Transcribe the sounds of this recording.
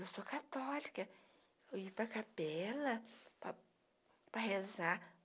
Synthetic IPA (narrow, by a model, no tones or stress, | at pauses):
ewsoɐkat̪ɔlikɐ | ewipɾɐkapɛlɐp | pɾɐheza